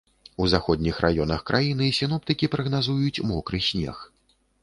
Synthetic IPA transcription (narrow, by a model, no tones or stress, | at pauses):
uzaxɔd̪ʲnʲixrʔa̰jɔnɐxkɾʔajinɨisʲin̪ɔp̚t̪ɨkʲipɾɐɣnazujut͡sʲmɔkɾɨsʲnʲɛ̰x